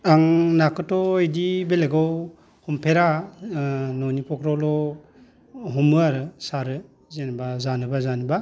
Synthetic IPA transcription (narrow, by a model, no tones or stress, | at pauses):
aŋnakɯtɔejdibeleɡɔw | hɔmpʰeɾa | nɔnipʰɔkʰɾawlɔ | ɦɔmɯaɾɯsaɾɯ | zenbazanɯbazaniba